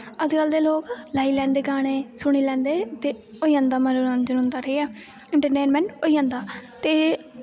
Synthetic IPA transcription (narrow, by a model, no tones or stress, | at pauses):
əd͡ʒkəld̪eːloːklaːiːlɛ̃ːnd̪eːɡaːɽ̃eːsʊɽ̃iːlɛ̃ːnd̪eːt̪eː | oːiːãːnd̪aːmənoɾãnd͡ʒənʊ̃nd̪aːɾeːɛː | ɪɳʈəɾʈeːnmɛ̃ːɳʈoːiːãːnd̪aːt̪eː